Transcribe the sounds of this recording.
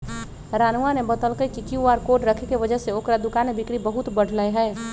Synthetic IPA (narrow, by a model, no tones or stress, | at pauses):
ɾanuanebət̪əlkəjkikiuaɾkoʈɾəkʰekeʋəd͡ʒəɦseoːkɾad̪ʊkanmebikɾibəɦut̪bəɽ̤ʱləjɦɛː